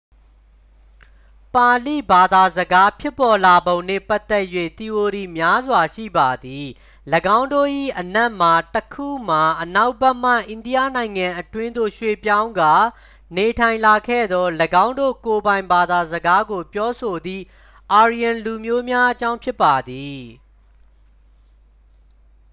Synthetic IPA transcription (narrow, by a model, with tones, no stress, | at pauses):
pã˨lḭ˦˨ba˨d̪a˨zəɡa˦pʰjɪ˦pːɔ˨la˨bõ˨ʊ̃nɛ̰˦˨pa˦t̪ːɛ˦ʔjwḛ˦˨t̪i˨ʔo˨ɾi˨mja˦zwa˨ʃḭ˦˨ba˨d̪i˨ | ləɡã˦ʊ̃ndo̰˦˨ʔḭ˦˨ʔənɛ˦ʔm̥a˨təkʰṵ˦˨m̥a˨ʔəna˦ʊb̥ɛ˦m̥a̰˦˨ʔɪ̃˨ndi˦ja̰˦˨nã˨ɪ̃ŋã˨ʔətwɪ̃˦nd̪o̰˦˨ʃwe˦˨pjã˦ʊ̃ŋɡa˦˨ | ne˨tʰã˨ɪ̃nla˨kʰɛ̰˦˨d̪ɔ˦ləɡã˦ʊ̃ndo̰˦˨ko˨bã˨ɪ̃mba˨d̪a˨zəɡa˦ɡo˨pjɔ˦so˨d̪ḭ˦˨ | ʔa˨ɹi˨ã˨lu˨mjo˦mja˦ʔət͡ɕã˦ʊ̃mpʰjɪ˦pːa˨d̪i˨